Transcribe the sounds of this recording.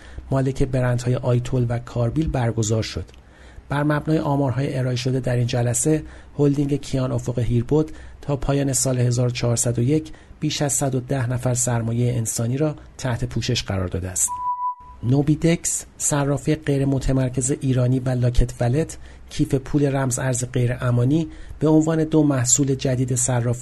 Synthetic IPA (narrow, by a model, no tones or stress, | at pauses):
mɒːle̞cʰe̞be̞ɾænt̪hɒːje̞ʔɒːjt̪ʰolvækʰɒːɾbiːlbæɾɡo̞zɒːɾʃo̞d̪̥ | b̥æɾmæbnɒːjeʔɒːmɒːɾɦɒːjeʔeɾɒːeʃo̞d̪e̞d̪æɾiːnd͡ʒælæse̞hold̪iŋɟe̞cʰijɒːno̞fo̞ɣe̞ɦiɾbod̪̥t̪ʰɒːpʰɒːjɒːne̞sɒːlehe̞zɒːɾot͡ʃʰɒːɾsæd̪ojecʰb̥iːʃæz̥sæd̪o̞d̪æhnæfæɾsæɾmɒːje̞jeːnsɒːniːɾɒːt̪ʰæht̪ʰe̞pʰuːʃe̞ʃɢæɾɒ̰ːɾd̪ɒ̰ːd̪eæst̪nobiːd̪e̞cssærːɒːfieɢe̞jɾemo̞t̪ʰemæɾcʰe̞ze̞ʔiːɾɒːniːvælɒːcʰet̪ʰvæle̞t̪ʰ | cʰiːfe̞pʰuːle̞ɾæmzæɾzeɢe̞jɾeʔæmɒːniːb̥e̞o̞nvɒːne̞d̪omæhsuːle̞d͡ʒæd̪iːd̪e̞særːɒːfi